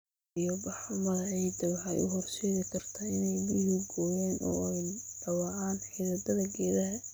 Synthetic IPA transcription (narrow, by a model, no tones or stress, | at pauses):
ijɔbɑħrʊmɐðɐɛjd̪ɐβħa̰jʊ̰ɦɔrʃɛːɣɪkʰɐrt̪ʰɐɪnɛjbiːhʊɡɔːjɛːnʔɔ̰ːɛjɖ̪̥ɐwɑʕaːnħiðɐd̪ɐðɐɡɛːðɐɦɐ